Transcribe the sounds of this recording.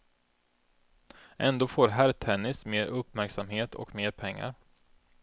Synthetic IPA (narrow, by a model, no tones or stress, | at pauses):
ʔɛnd̪oːfoːɾɦæːɾt̪ʰɛnːɪsmeːɾʔɵpːmæɾksamhɦeːt̪ʰɔ̰kmeːɾpʰɛŋːa̰ɾ